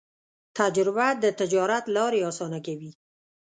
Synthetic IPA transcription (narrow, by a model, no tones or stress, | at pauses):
t̪ad͡ʒɾɪbad̪ət̪ɪd͡ʒɑɾat̪lɑɾeɑsɑnakawi